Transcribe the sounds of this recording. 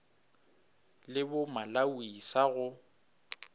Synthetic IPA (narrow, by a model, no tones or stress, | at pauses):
lɪbʊmalawisaɣʊ